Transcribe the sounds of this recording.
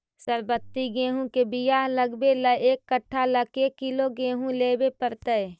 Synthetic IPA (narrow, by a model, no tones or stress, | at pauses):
səɾbət̪ːiɡẽːɦũkebijaːɦləɡbeləeːkːəʈʰːaləkeːkɪloɡeːɦũleːbepəɾt̪əe